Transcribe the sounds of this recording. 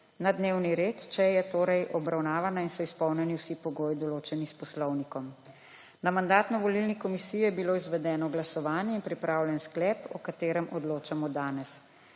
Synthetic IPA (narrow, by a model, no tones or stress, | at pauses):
nad̪neːwniɾeːt̪t͡ʃɛjɛt̪oːɾɛjʔɔbɾawnaːʋanainsɔispɔwnɛniwsipɔɡoːjid̪ɔloːt͡ʃɛnispɔslɔwnikɔm | namand̪aːt̪nɔʋɔlilnikɔmisijɔjɛbiloːizʋɛd̪ɛːnɔɡlasɔʋaːnjɛinpɾipɾaːwljɛnsklɛːpɔkat̪eːɾɛmʔɔd̪loːt͡ʃamɔd̪aːnɛs